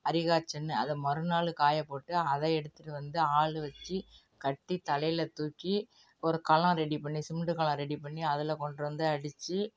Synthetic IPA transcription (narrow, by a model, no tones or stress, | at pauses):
ɐɾɪɣaːt͡ʃːɐnːɯɐðɛmɐɾɯnaːɭɯkaːjɐpoːʈːɯɐðɐɛɽɯt̪ːɯʈːɯʋɐnd̪ɯaːɭɯʋɐt͡ʃːi | kɐʈːit̪ɐlɐjɪlɐt̪uːkːi | ɔɾɯkɐlãɾɛɽipɐɳːisɪmɖɯkɐlɐ̃ɾɛɽipɐɳːiɐðɪlɐkɔɳɖɯʋɐnd̪ɯɐɽɪt͡ʃːɯ